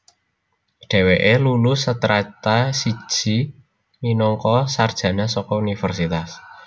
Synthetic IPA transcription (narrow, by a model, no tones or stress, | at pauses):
ɖ̥e̤weʔelulusət̪ɾat̪asi̥ʒ̥i̤ | ninɔŋkɔsard̥ʒ̥ä̤nasɔkɔunifərsit̪as